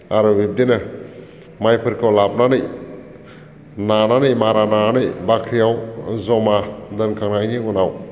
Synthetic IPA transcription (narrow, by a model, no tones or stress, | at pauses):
aɾɯɾip̚denɯ | majpʰɯɾkʰawlap̚nanɯj | nananɯjmaɾanananɯjbakʰɾijawzɔmadɯnkʰaŋnajniunaw